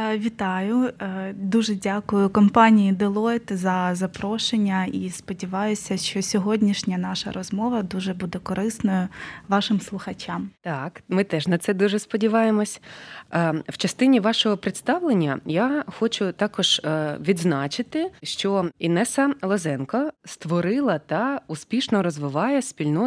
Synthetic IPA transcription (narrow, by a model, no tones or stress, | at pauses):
ʋʲit̪ɑjʊd̪uʒɛdʲakʊjʊkɔmpɑnʲijid̪ɪlˠɔjt̪zɐzɐpɾɔʃenʲːɐispɔdʲiʋɑjʊsʲɐʃt͡ʃɔsʲɔɦɔdʲnʲiʃnʲɐnɑʃɐ̰ɾʔɔzmɔʋɐd̪uʒɛbud̪ɛkɔɾɪsnɔjʊʋɑʃɪmslˠʊxɐt͡ʃʲɑmt̪ɑkmɪt̪ɛʒnɐt̪sɛd̪uʒɛspɔdʲiʋɑjemɔsʲ | w̥t͡ʃɐst̪ɪnʲiʋɑʃɔɦɔpɾɪt̪st̪ɑʋlˠenʲːɐjaxɔt͡ʃʊt̪ɑkɔʒ̥ʋʲid̪znɑt͡ʃɪt̪ɪʃt͡ʃɔinɛsɐlˠɔzɛnkɔst̪ʋɔɾɪlˠɐt̪ɐuspʲiʃnɔɾɔzʋɪʋɑjɛspʲilʲnɔ